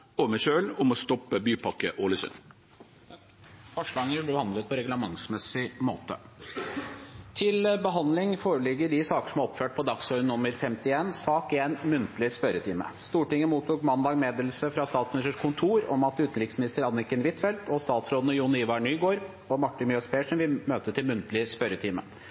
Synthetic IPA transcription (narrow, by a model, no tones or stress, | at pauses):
ɔmɛʃøːlɔmɔst̪ɔpːəbyːpʰɑkːəʔoləsʉ̰n | fɔʂlɑːɡənʋɪlb̪ɪbəhɑnd̪lət̪̚pʰɔɾɛɡləmɑŋsmɛsɪmoːt̪ə̰ | t̪ʰɪlbəɦɑnd̪lɪŋfoːɾəɭɪɡːəɖɪsɑːkə̥ʂɔmæɾɔpføːʈ̚pʰɔd̪ɑksɔʏnʊmːəɾfɛmt̪ɪeːnsɑːkɪɛnmʉnt̪əlɪspœɾət̪ʰiːmə̰st̪uːʈɪŋːəmuːt̪ʰuːkmɑnd̪ɑːɡmeːd̪ɛlsəfɾɑst̪ɑːt̪smɪnɪst̪əʂkʰʊnt̪ʰuːɾɔmɑt̪ʉːt̪ən̩ɾɪksmɪnɪst̪əɾɑnːɪkːənʋɪt̪fɛlt̪ɔst̪ɑːt̪sɾoːd̪ənəjʊnɪʋɑɳyːɡoːɾ | ɔmɑʈːɪnmjœspʰeːʂɔnʋɪmøːt̪ət̪ʰɪlmʉnt̪əlɪspœɾət̪ʰiːmə̰